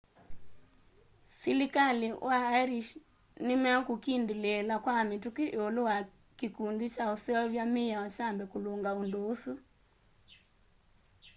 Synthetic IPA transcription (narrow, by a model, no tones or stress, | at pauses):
silikaliwʔaːɾiʃ | nimɛɔkukindilɛlakwamitukiʔolowa | kikundit͡ʃaosɛɔβjamiaɔt͡ʃambɛkuluŋɡaundoːsu